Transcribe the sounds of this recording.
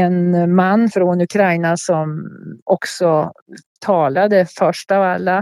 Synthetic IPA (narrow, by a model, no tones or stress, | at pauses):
enmanːfɾonʉkʰɾaɪnasɔmɔksɔt̪ʰɑːlad̪əfœʂʈɑːvalːa